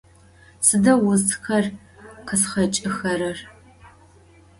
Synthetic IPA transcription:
sɨdɐwʊztxɐr | qʰəsχɐt͡ʃʼɨxɐɾɐr

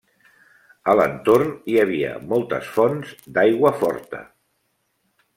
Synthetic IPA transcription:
ələnt̪orniəβ̞iə̰mɔlˠt̪ə̰sfɔnzd̪ajɣwəfɔ̰ɾt̪ə̰

